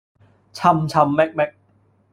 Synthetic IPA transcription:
t͡ɕʰa˧mt͡ɕʰa˧mːɛ˦˥k̚mɛ˦˥k̚

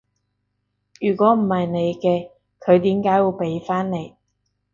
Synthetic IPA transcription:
jyː˨˩kʷɔː˨˥m̩˨˩hɐ˨jne˨˧jkɛː˧ | kʰɵ˨˧ɥt̪iː˨˥mkaː˨˥jwuː˨˧wpe˨˥jfaː˥nne˨˧j

